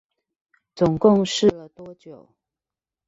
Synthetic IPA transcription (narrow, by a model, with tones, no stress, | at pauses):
t͡sʊ˨˩ŋkʊ˥˨ŋʂɻ̩˥˨lə˨t̪wɔ˦t͡ɕjo˨˩˦ʊ